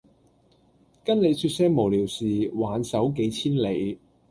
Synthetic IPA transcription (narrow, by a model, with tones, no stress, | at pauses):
kɐ˥nle˨˧jsyː˧t̚sɛː˥ŋmo˨˩wliː˨˩wsiː˨˩waː˨˧˥nsɐ˨˥wke˨˧˥jt͡sʰiː˥nle˨˧j